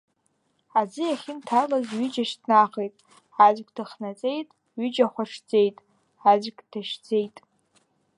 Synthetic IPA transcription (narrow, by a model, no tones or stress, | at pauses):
ad͡zɨjaχʲɪntʰarlazɥid͡ʒaʃdnaχejtʼ | azʷɡʲʼdɨχnat͡sʼe̞jtʼ | ɥʏd͡ʒaχʷaʂd͡ze̞jtʼ | azʷɡʲʼd̥aʃd͡zejtʼ